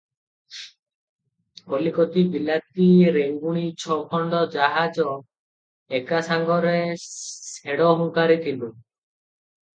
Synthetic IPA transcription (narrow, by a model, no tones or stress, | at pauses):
olikot̪ibilat̪̚iɾeŋɡuɽ̃it͡ʃʰɔkʰɔɳɖɔd͡ʒaɦad͡ʒɔ | ekasaŋɡɔɾeseɽɔɦuŋkaɾit̪ʰilu